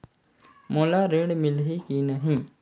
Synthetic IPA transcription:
moːlaːɾeːɽmɪlɦikiːnəɦĩː

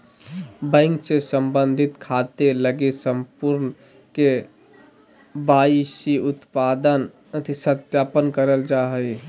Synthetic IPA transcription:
bə̃ɪŋksesəmbənd̪ʱɪt̪kʰat̪eləɡesə̃mpuɾn | ke | baːisiʊt̪paːd̪ən | ət̪isət̪jaːpənkəɾəld͡ʒaɦəi

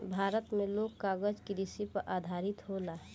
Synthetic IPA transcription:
bʱaːɾət̪mẽloːɡkaːɡəd͡ʒkiɾɪsipɐɾʔaːd̪ʱaːɾɪt̪ɦolaɦ

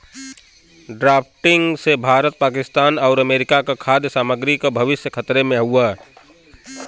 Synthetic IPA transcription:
ɖɾaːpʰʈɪ̃ŋɡsebʱaːɾət̪̚paːkɪst̪aːnɔːɾəmeːɾɪkakakʰaːd̪jəsaːməɡɾikobʱɐʋɪsjəkʰət̪ɾemẽɦuaː

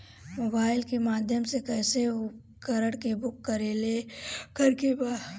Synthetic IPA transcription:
moːbaːɪlkemaːd̪ʱjəmsekɛːse | kɐɾəɽkebʊkːɐɾelekɐɾkeba

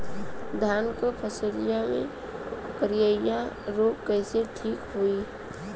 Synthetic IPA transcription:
d̪ʱaːnkopʰəsəɾijamḛ̃ | kəɾɪjəjaɾoːkkɛɪseʈʰiːkɦoi

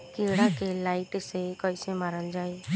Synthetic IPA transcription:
kiɽakelaiʈsekɔjsemaːɾəld͡ʒaːe

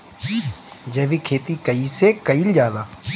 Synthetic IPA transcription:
d͡ʒeːʋiːkʰeːt̪iːkəiːsekəild͡ʒaːlaː

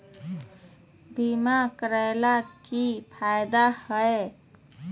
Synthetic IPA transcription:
bimakəɾəjlakipʰajd̪ahəe

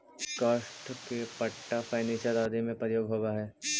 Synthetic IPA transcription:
kaːʃʈkepɐʈːafʰaːnẽʃəɾaːd̪emẽpɾəjoːɡɦoːbaɦɛː

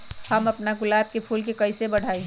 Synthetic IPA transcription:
hɐmɐpnaɡʊlaːb̚kepʰuːlkekɐɪsebɐɽ̤ʱaːi

